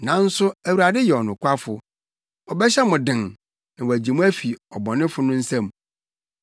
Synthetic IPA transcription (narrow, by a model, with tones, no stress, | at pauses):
nã˨˦n̩˦sʊ˦æ˨wu˨ɾa˨dɪ˦jɛ˨ɔ˨nʊ̃˨kʷʰa˦fʊ˨ | ɔ˨bɛ˦ɕɛ˦mʊ̃˨dɪ̃˨n | nã˨wɔ˨æ˨d͡ʑi˨mʊ̃˦æ˦fi˨ɔ˨bɔ̃˨nɪ̃˦fʊ˨nʊ̃˦n̩˦sã˦˨m